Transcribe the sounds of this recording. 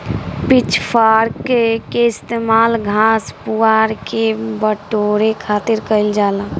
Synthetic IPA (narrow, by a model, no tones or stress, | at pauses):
pit͡ʃʰpʰaɾkekeɪst̪eːmaːlɡʱaspuaːɾkebəʈoɾekʰaːt̪ɪɾkəɪld͡ʒaːlã